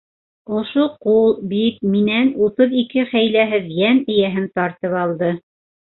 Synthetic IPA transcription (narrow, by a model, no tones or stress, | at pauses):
ŏʃoqulˠbit̪̚minænut̪ɤðikɘχæjlæɦɘðjænɘ̆jæɦɘnt̪ɑɾt̪ɤpɑlˠd̪ɤ